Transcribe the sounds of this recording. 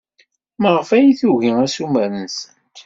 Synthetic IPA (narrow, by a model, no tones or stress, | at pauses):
məʁəfæjiθuʝiæsumæɾənsənt̪